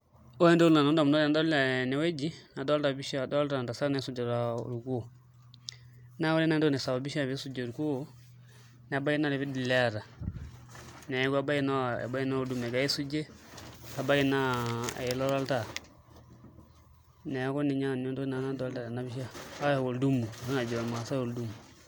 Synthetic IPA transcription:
o˦jɛ˦ndo˦lna˨nɔ˦ndɔ˨m˨na˦la˨n˦dɔ˦la˨nɛ˨we˦d͡ʒi˦na˨dɔ˦lta˨bi˦ʃa˦˨dɔ˦lta˨nda˨sa˦na˨˦su˦d͡ʒa˨ɾa̰˨ɾu˨ku˦˨ | na˦wa˦li˦na˦n˦dnɛ˨sa˨ba˨bi˦ʃa˦˨βi˦su˦d͡ʒe˨ɾu˨ku˦˨˦ | n˨ba˦i˦na˦lɛ˨fi˦di˨lɛ˦˨ɾa˨ | nɛ˨˦ɡa˨ba˦i˦na˦a̰˨ba˦i˦na˦o˨du˦me˨ɡa˨i˦su˦d͡ʒe˦a˨ba˦ɡi˦na˦a̰˨jlo˦ɾa˦lta˨ | nɛ˨˦ko˦ni˨ɲa˦˨no˦ndo˦na˨na˦do˦lta˨ɾa˨na˨bi˦ʃa˦a˦˨wo˨ldu˦mu˨sa˦na˨d͡ʒo˨ma˨sa˦o˨ldu˦mu˨

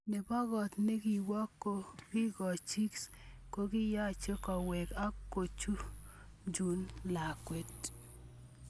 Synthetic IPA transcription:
ne˨bɔ˦ɣɔ˨t̪ne˦ɡi˨wɔ˦kːo˦ɡ̥i˦ɡɔ˨t͡ʃi˦ksko˦ɡɪ˦ja˦˨t͡ʃe˦kɔ˨we˨ka˦kːo˨t͡ʃu˦ | d͡ʒu˨nla˨kwe˦t̪

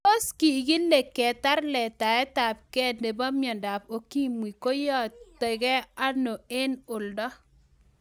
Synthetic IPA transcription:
o˦ski˨ɡi˦ne˨kːɛ˨ta˦rlɛ˨ta˨ɛ˦ta˨p̚kɛ˦˨de˨ba˦mjɔ˨nda˨p̚o˨ki˦mwi˨ko˦jɔ˦˨te˨ɡɛ˦a˦no˨e˦nʊ˨ldɔ˦

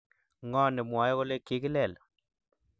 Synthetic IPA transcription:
ŋɔ˦nɪ˨mwa˨˦jko˦le˦ki˦ki˦lɛ˨l

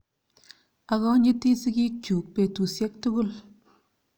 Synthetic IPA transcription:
a˨kɔ˦ɲi˦ti˦si˦ki˦t͡ʃu˨k̚pe˨tu˨sje˦k̚tu˦ku˦l

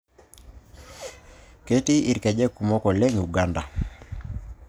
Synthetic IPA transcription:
ke˦ti˦i˨ɾkɛ˨d͡ʒɛ˦ku˨mɔ˦kɔ˨lɛ˦ŋu˨ɡa˦nda˨

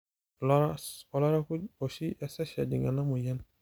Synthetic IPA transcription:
lɔ˦ɾaɔ˨lɔ˦ɾa˦ku˦o˨si˦ʔɛ˦sɛ˦sɛ̰˨dḭ̃˨ŋɡa̰˨na˦mũ˨jɛ˦n

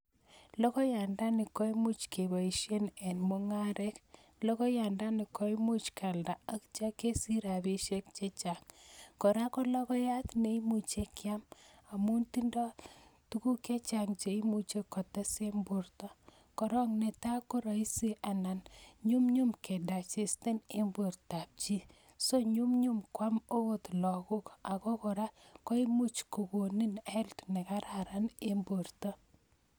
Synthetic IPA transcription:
lɔ˦kɔ˦ja˨nda˦nɪ˨kɔ˦i˦mu˦t͡ʃkʰe˨ba˨i˨ʃe˦nɛ˨nmo˦ŋa˦ɾɛ˦k | lɔ˦kɔ˦ja˨nda˦nɪ˨kɔ˦i˦mu˦t͡ʃkʰa˨lda˨a˦kt͡ʃa˦ke˦si˦ɾa˨bi˦ʃe˦kt͡ʃe˦t͡ʃa˨ŋkɔ˨ɾa˦kɔ˦lɔ˦kɔ˦ja˦t̪ne˦i˦mu˨t͡ʃe˦kja˦ma˨mu˦nti˦ndɔ˦tu˦ku˦ke˦t͡ʃa˨ŋt͡ʃe˨i˦mu˦t͡ʃe˦kɔ˨tɛ˦se˦mbʊ˨rtɔ˦ | kɔ˨ɾɔ˦ŋne˨ta˦kɔ˦ɾɔ˨i˦se˦ʔa˨na˨nɲʊ˦mɲʊ˦mke˨da˨t͡ʃɪ˨stɛ˦ne˦mbo˨ɾta˨p̚t͡ʃi˦ | so˦ɲu˦mɲʊ˦mkwa˦mo˦wo˦t̪lɔ˨kʊ˦ka˨kɔ˦kɔ˨ɾa˦kɔ˦i˦mu˦t͡ʃko˨ko˨ni˦nɛ˦ltnɛ˨ka˦ɾa˨ɾa˦ne˦mbo˨ɾtɔ˦

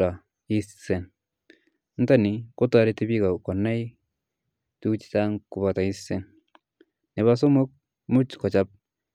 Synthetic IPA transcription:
a˨ | i˦sse˨n | n˦ta˦ni˨ko˦ta˨ɾe˦ti˦bika˨kɔ˨nːa˦j | tut͡ʃi̥taŋku˨bata˨ise˨nː | e˨βas̬o˦mo˦k̚ | mu˦t͡ʃkɔ˨t͡ʃa˦p̚

